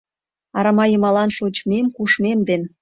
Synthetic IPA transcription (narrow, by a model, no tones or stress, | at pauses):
ɑɾɑmɑjəmɑlɑnʃot͡ɕmemkuʃmemd̪en